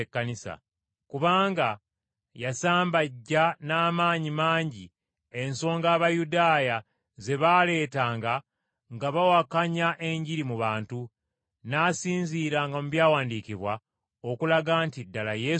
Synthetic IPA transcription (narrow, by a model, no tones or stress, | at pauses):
ekːanisa̰ | kuβaːŋɡa | jasaːmbaɟːanaːmaːɲimaːɲɟi | e̞nso̞ːŋɡaːβajudaːja | ze̞βaːle̞ːtaːŋɡa | ŋɡaβawakaɲaʔe̞ɲɟiɾimuβaːntu | naːsiːnziːɾaŋɡamuβjaːwaːndiciβwa | o̞kulaɡantidːalaje